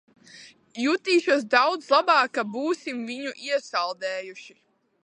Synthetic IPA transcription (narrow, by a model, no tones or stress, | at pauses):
jut̪iːʃuɔs̬d̪awd̪zlˠabaːkːabuːsimviɲuʔiɛsalˠd̪ɛːjuʃi